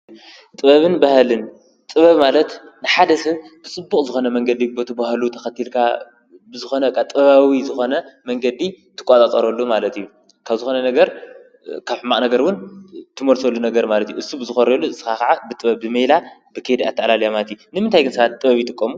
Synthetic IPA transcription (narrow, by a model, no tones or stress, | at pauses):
t̪ʼɨβɐβɨnbahlɨn | t̪ʼɨβɐβmalɐt̪ | nɨħad̪ɐsɨβt̪ʰɨt͡sʼɨbːukʼzɨxo̞nɐmɐŋɡɐd̪ibot̪ʰɨbahlut̪ʰɐxɐt̪ʰːilkʰa | bɨzɨxo̞nɐkʼːat̪ʼɨɐβawizɨxo̞nɐmɐŋɡɐd̪it̪ʰɨ̥kʷʼat̪ʼat͡sʼɐɾolːumalɐt̪ju | kʰaβzɨxo̞nɐnɐɡɐɾ | kʰaβħɨmːakʼnɐɡɐɾwʊnt̪ʰɨmolsolːunɐɡɐɾmalɐt̪juʔɨsubɨzɨxoɾolːusɨ̥akaʕabɨt̪ʼɨβɐβzɨmejlabɨkʰed̪ia̰t̪ʰːɐʔlaljamalt̪junɨmɨnt̪ʰajɡɨnsɐβat̪t̪ʼːɨβɐβit̪ʼɨkʼːɐmu